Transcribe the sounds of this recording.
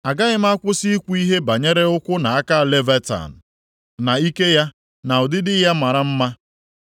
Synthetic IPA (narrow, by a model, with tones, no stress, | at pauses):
a˨ɡa˦ɣɪ˦m̩˦a˦kʷʊ˦si˦kʷu˦i˦ɦe˦ba˨ɲe˦ɾe˦ʊ˦kʷʊ˦na˨a˦ka˦a˨le˦ve˦ta̰˨n̩˨ | na˨i˦ke˦ja˦ | na˨ʊ˨dɪ˦dɪ˦ja˦ma˨ɾa˦m̩˦ma˦